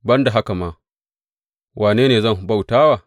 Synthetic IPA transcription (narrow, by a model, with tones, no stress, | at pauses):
bɐ˦nda˨ɦa˦ka˨maː˦ | wʔaː˨neː˦neː˨zɐ˦ŋhu˨ba˦wtaː˦waː˨